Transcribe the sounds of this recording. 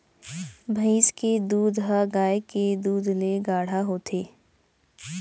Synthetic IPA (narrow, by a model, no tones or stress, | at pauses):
bʱəɪsked̪uːd̪ɦaɡaːeked̪uːd̪leɡaːɽ̤aɦoːt̪ʰeː